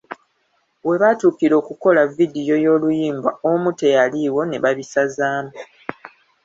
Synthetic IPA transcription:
we̞βatuːkiɾo̞ːkuko̞lavidijo̞jo̞ːlujiːmbaomute̞jaliwo̞ne̞βaβisazaːmu

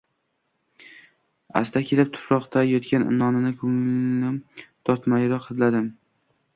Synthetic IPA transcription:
a̰st̪ʰakʲʰe̞lɪp̚t̪ʰʊ̥pɾɒqt̪ʰajɒt̪kʲʰanʔɪ̰nɒnɪnɪkʰoŋnɪt̪ʰɒɾt̪majɪɾɒqat̪lad̪ɪm

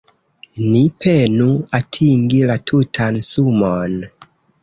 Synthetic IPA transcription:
nipʰenuatʰiŋɡilatʰutʰansumon

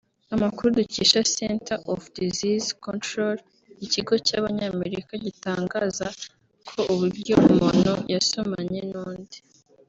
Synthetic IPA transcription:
amakuɾuduciʃasentaʔofdizizkontɾol | iciɡo̞caːβaɲaːme̞ɾikaɟitaːŋɡaːza | kʰo̞ʔuβuɾɟo̞umonojaso̞maɲe̞noːndi

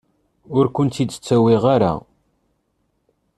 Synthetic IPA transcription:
ʊɾkʷʊnt̪id̪ə̥t͡sːæwiʁaɾa̰

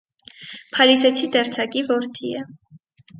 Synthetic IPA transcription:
pʰɑɾisɛt͡sʰid̪ɛɾt͡sʰɑkivɔɾt̪ʰiə

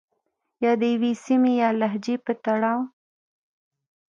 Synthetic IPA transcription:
jɑd̪əjwesimejɑlaɦd͡ʒepət̪aɽɑw

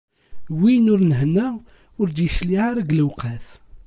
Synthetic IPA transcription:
winʊɾnɦənːæ | ʊɾd̪jəsliʕaɾaɡləwqæθ

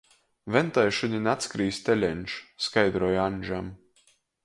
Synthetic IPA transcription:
vɛnt̪ajʃunʲinʲat̪skɾiːst̪ɛlʲɛnʲʃskajd̪ɾɔjanʲʒam

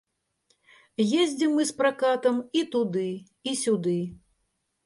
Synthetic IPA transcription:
jezʲd͡zʲimːɨspɾakat̪ɐmit̪ud̪ɨ | isʲud̪ɨ

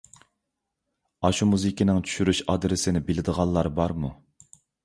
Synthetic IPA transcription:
ɑʃumuzikʲinɪŋt͡ʃʰy̥ʃyɾyʃɑd̪ɾɪsɪnɪbɪlɪd̪əʁɑlˠːɑɾbɑɾmu

